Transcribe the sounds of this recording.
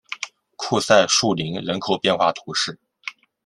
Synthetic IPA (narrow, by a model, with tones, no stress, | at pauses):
kʰu˥˧sa˥˧ɪʂu˥˩li˧˥ŋɻə˧˥nkʰo˨˩ʊpjɛ˥˧nxwa˥˩t̪ʰu˧˥ʂɻ̩˥˩